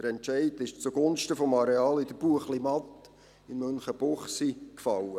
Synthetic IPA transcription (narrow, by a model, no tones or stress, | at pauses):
əɾɛnt͡ʃɛɪdɪʃt͡suɡ̥ʊnʃtəfɔmɑɾeɑːlɪd̥əɾb̥uəχlimɑt̪ | ɪnmønχəb̥ʊχsikfɑwə